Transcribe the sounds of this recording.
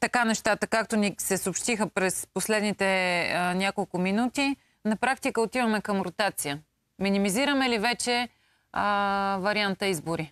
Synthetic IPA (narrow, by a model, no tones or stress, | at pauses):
t̪ɐkanɛʃt̪at̪əkakt̪onisɛsoːpʃt̪ixəpɾɛsposlɛd̪nit̪ɛnʲjakolˠkʊminut̪i | nɐpɾak̚t̪ikəot̪ivəmɛkɐmɾot̪at̪sijə | minimiziɾəmɛlivɛt͡ʃɛ | vɐɾiant̪əizbʊɾi